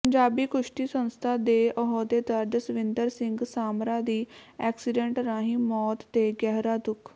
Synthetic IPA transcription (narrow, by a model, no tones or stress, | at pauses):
pəɲd͡ʒaːbiːkʊʃʈiːsənst̪ʰaːd̪eːʔɔɦoːd̪eːt̪əɾd̪sʋɪ̃nd̪əɾsɪŋɡsaːmɾãːd̪iːɛːksɪɖeɳʈɾaːɦĩːmɔːt̪ːeːɡɛːɦɾaːd̪ʊkʰ